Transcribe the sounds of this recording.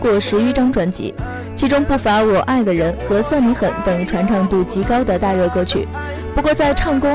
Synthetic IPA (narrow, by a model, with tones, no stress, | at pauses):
kwɔ˥˩ʂɻ̩˧˥y˥ʈ͡ʂɑ˥ŋʈ͡ʂwa˧˥nt͡ɕḭ˧˥ | t͡ɕʰi˧˥ʈ͡ʂʊ˥ŋpu˥˩fa˧˥wɔ˨˩ʔa˥˩ɪd̪ə˩ɻə˧˥nxɤ˧˥swa˥˩nli˧˥xə˨˩nt̪ɤ˨˩ŋy˧˥ʈ͡ʂʰwa˧˥nʈ͡ʂʰɑ˥˧ŋt̪u˥˩t͡ɕi˧˥kɑ˥ʊd̪ə˨t̪a˥˧ɻɤ˥˩kɤ˥t͡ɕʰy̰˨˩˦ | pu˧˥kwɔ˥˧t͡sa˥˧ɪʈ͡ʂʰɑ˥˩ŋkʊ˥